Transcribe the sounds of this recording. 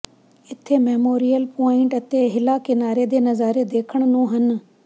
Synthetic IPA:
ɪt̪ʰemeːmoːɾijəlpɔːɪ̃ɳʈɐt̪eɦɪlakɪnaːɾed̪eːnɐzaːɾed̪eːkʰəɽ̃nũːɦən

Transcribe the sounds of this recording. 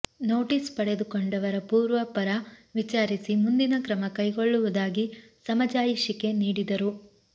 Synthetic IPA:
no̞ːʈispɐɽe̞d̪ukoɳɖɐʋɐɾɐpuːɾʋɐpɐɾɐʋit͡ʃaːɾisimund̪inɐkɾɐmɐkɐjɡoɭːuʋud̪aːɡi | sɐmɐd͡ʒaːjiʃike̞niːɽid̪ɐɾu

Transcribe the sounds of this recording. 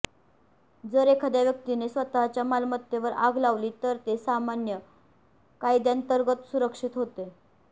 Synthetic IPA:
d͡zəɾekʰəd̪jaʋjək̚t̪inesʋət̪aɦt͡ɕjamalmət̪jeʋəɾa̰ɡʱlaʋliːt̪əɾt̪esamanjə | kajd̪jant̪əɾɡət̪suɾəkʂiːt̪ɦot̪e

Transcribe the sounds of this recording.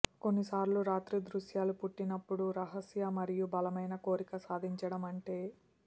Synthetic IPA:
ko̞nːisaːɾluɾaːt̪ɾid̪ɾuʃjaːlupuʈːinɐpːuɽuɾɐɦɐsjɐmɐɾijubɐlɐmɐjnɐko̞ːɾikɐsaːd̪ʱiɲt͡ʃɐɽɐmɐɳʈe̞ː

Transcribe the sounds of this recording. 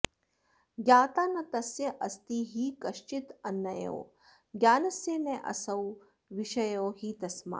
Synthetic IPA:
ɡjaːt̪aːnɐt̪ɐsjɐʔɐst̪iːɦiːkɐʃt͡ʃit̪ɐnːɐjɐ̰ː | ɡjaːnɐsjeːneʔɐ̰sɐw | ʋiʃɐjoːɦiːt̪ɐsma̰

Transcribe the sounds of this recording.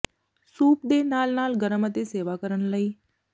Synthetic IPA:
suːp̚d̪enaːlnaːlɡəɾəmət̪eseːʋakəɾənləiː

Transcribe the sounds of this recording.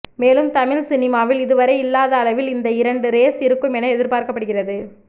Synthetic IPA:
meːlɯmt̪ɐmɪlsɪnɪmaːʋɪlɪðɯʋɐɾɐɪɪlːaːðɐːlɐʋɪlɪnd̪ɐɪɾɐɳɖɯɾeːsɪɾɯkːɯmɛnɐɛðɪɾpaːɾkɐpːɐɽɯɣɪrɐðɯ

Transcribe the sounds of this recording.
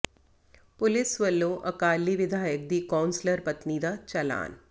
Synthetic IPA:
pʊlɪsʋɐlːõːʔɐkaːlːiʋɪd̪ʱaːjək̚d̪iːkaːwnsləɾpɐt̪niːd̪at͡ʃɐla̰ːn

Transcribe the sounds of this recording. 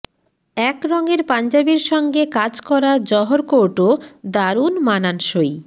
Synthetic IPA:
ɛkɾɔŋeɾpand͡ʑabiɾʃɔŋɡekad͡ʑkɔɾad͡ʑɔɦoɾkoʈod̪aɾunmananʃoj

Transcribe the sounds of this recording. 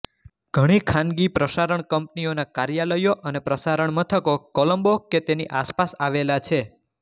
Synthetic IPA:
ɡ̥ʱəɽ̃ikʰãnɡipɾəsaɾəɳkəmp̚nionakaɾjaləjoʔənepɾəsaɾəɳmət̪ʰəkokɔləmboket̪eniʔaspasaʋelat͡ʃʰe

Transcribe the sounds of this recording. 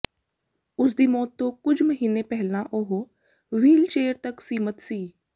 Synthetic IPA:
ʊs̬d̪imoːt̪ːokʊd͡ʒʰʱməɦiːnẽpɛɦlãʔoɦo | ʋiːlt͡ʃeːəɾt̪ɐksiːmət̪siː

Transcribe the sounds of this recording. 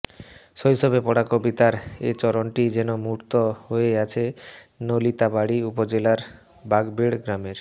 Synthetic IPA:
ʃojʃobepɔɽakobit̪aɾet͡ɕɔɾoɳʈid͡ʑɛnomuɾt̪oɦoeɡat͡ɕʰe | nolit̪abaɽiupod͡ʑelaɾ | baɡbiɽɡɾameɾ

